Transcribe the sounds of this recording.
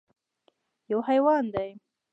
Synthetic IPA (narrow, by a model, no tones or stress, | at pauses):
jawhajwɑnd̪aj